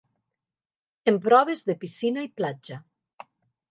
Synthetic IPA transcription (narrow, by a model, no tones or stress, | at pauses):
empɾɔβ̞ezðepisinaiplad͡ʒa